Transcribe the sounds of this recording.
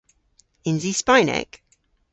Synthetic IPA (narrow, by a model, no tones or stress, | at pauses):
ɪ̃nzispaɪnɛ̰k